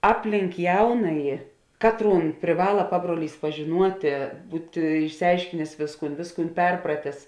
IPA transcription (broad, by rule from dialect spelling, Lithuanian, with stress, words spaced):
ˈɑːpʲˌlʲɪŋk ˈjɛʊnɐjɪ ˈkɑːtˌruːn pʲrʲɪˈʋɑːlˠɐ ˈpɑːbruɔˌlʲiːs pɐʒʲɪˈnuɔtʲeː ˈbuːtʲɪ ɪʃʲsʲɪˈɐɪʃʲkʲɪnʲeːs ˈʋʲeːsˌkuːn ˈʋʲeːsˌkuːn ˈpʲɛrprɐtʲeːs